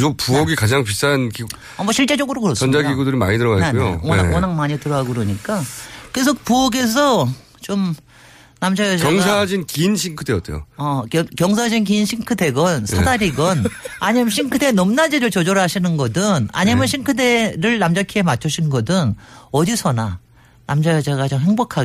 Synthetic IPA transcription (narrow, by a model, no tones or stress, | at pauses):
opuʌɡikad͡ʑaŋpistʰankiɡ | amʌɕʰiɭt͡ɕ͈e̞d͡ʑʌɡɯɾokɯɾʌsʌnd͡ʑaɡiɡudɯɾima̰ɲitɯɾʌaekujo̰aʌnaŋmaɲitɯɾʌɦaɡɯɾoɲik͈akɯɾes̬ʰʌpuʌɡe̞sʰʌ | t͡ɕom | namd͡ʑajʌd͡ʑjʌŋsʰad͡ʑinkinɕʰiŋkʰɯde̞jʌt͈ʰḛjo̰ʌkʌkjʌŋsʰad͡ʑink̬inɕʰiŋkʰɯde̞ɡʌnsʰadaɾiɡʌnaɲiɯɕʰiŋkʰɯde̞nʌmnad͡ʑiɾɯɭt͡ɕʌd͡ʑʌɾɯɭɦaɕʰinɯnɡʌdɯna̰ɲimɯnɕʰiŋkʰɯde̞ɾɯɭnamd͡ʑakʰie̞mat͡ɕʰuɕʰinɡʌdɯnʌdisʰʌna | namd͡ʑajʌd͡ʑaɡat͡ɕomhe̞ŋbokʰaɡ